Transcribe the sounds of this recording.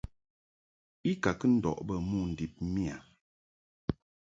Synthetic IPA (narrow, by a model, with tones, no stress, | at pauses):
i˦ka˨kɨ˦n̩˦dɔ̰˨ʔbə˦mu˦˨n̩˨di˨p̚mi˦a˨